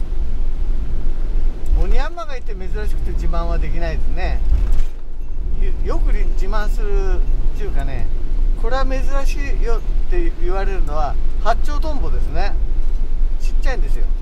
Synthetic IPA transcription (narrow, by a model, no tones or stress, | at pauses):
oɲ̟ʲiamːaɡait̪ːeme̞zɨɾaɕi̥kɯ̟̥t̪ed͡ʑimãɰ̃βad̪e̞kʲinaid̪e̞sɨne̞ | jjo̞kɯ̟ɾʲid͡ʑimãɰ̃sɨɾɯ̟t͡ɕɯːkane̞ko̞ɾe̞ame̞zɨɾaɕiːjot̪ːe̞ɯβaɾe̞ɾɯ̟no̞βahat͡ɕːo̞ːt̪õ̞mbo̞d̪e̞sɨne̞ | t͡ɕi̥t͡ɕːaĩnd̪esɨjo̞̰